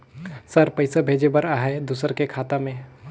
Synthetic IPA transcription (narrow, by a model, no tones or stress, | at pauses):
səɾpəɪsabʱeːd͡ʒebəɾaːɦɛed̪usəɾkekʰaːt̪amẽ